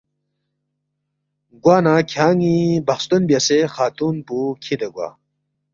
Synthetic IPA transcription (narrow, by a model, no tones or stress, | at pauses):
ɡwaːnakʰaːŋibɐxst̪unbjasexaːt̪uːnpukʰid̪ɐɡwa̰ː